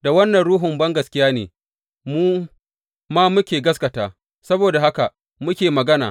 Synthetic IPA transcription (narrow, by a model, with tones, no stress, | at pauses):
da˨wɐ˦nːɐ˨nɽuː˦ɦʊ˨mbɐ˦ŋɡɐ˨skʲɪ˦jaː˦nḛː˨ | muː˦ | maː˦mʊ˦kʲeː˨ɡɐ˦skɐ˨taː˨ | sɐ˦boː˨da˨ha˦ka˨ | mʊ˦kʲeː˨mɐ˨ɡɐ˦na̰ː˨